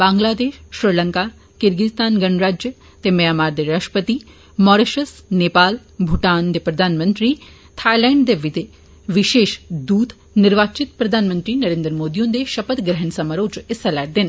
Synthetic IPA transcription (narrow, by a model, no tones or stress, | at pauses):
bãːŋɡlaːd̪eːʃʃɾiləŋka | kɪɾɡɪst̪aːnɡɐnɾaːd͡ʒjə | t̪emɐjaːmaːɾd̪eɾaːʃʈəpət̪i | mɔːɾeʃəsneːpaːl | bʱuʈaːnd̪epɾɐd̪ʱaːnmə̃nt̪ɾi | t̪ʰaːjlɛ̃ːɳɖd̪eʋit̪e | ʋɪʃeːʃd̪uːd̪ | nɪɾʋaːt͡ʃɪt̪̚pɾɐd̪ʱaːnmə̃nt̪ɾinɐɾeːnd̪ɾəmoːd̪ijõːnd̪eʃɐpət̪ɡɾɛɦənsɐmaɾoːt͡ʃɪselɛːʈ̚d̪ɪn